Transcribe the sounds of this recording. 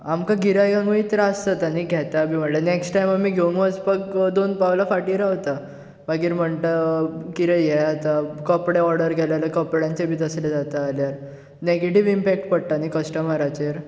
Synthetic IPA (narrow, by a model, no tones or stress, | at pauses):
amkaɡiɾajɡãŋɡũit̪ɾaəst̪at̪aniɡʱɛt̪abʱiːm̤əɳlaneksʈʈajmamiːɡʱeuŋɡʋəspəkd̪onpaʋlafaʈiːɾaɦot̪a | baɡiːɾm̤əɳt̪akiɾejɛjat̪akɔpɽeɔɾɽəɾɡɛlaləkɔpɽjãɲt͡ɕebʱiːt̪əsled͡zat̪aːljaɾ | neɡeʈiʋimpɛk̚ʈpəɽt̪anikəsʈəmaɾat͡ɕeɾ